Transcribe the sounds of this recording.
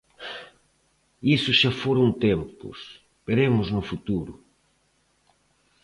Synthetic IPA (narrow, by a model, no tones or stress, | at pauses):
isʊʃafoɾõnt̪empʊ̰s | beɾemʊznʊfut̪uɾʊ̰